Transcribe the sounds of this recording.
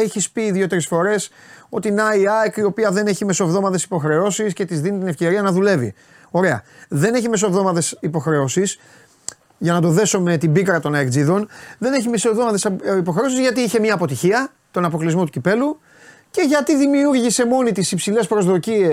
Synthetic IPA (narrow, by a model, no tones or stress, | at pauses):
eçispiːðjo̞t̪eɾesfo̞ɾe̞s | o̞t̪inɐiɐekio̞piɐðe̞ne̞çime̞so̞vðo̞mɐt̪e̞si̥po̞xɾe̞o̞sisce̞t̪izðinit̪ine̞fce̞ɾiɐnɐðule̞vḭ | o̞ɾe̞ɐ̰ðe̞neçime̞s̬o̞vðo̞mɐt̪e̞sipo̞xɾe̞osis | ʝɐnɐt̪o̞ðe̞so̞me̞t̪ibikɾɐt̪o̞nɐekd͡ziðo̞nðe̞neçimeso̞vðo̞mɐt̪esipo̞xɾe̞o̞s̬izʝɐt̪iiçe̞miɐːpo̞t̪içiɐ | t̪o̞nɐpo̞klizmot̪ucipe̞lu | ce̞ʝɐt̪iðimiuɾʝise̞mo̞nit̪isipsile̞spɾo̞zðo̞cie